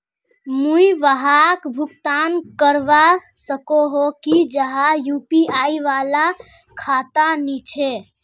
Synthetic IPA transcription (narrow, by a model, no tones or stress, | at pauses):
mũiʋəɦakbʱukt̪ankəɾʋa | səkoɦokid͡ʒəɦajupiaiʋala | kʰat̪anit͡ʃʰɛ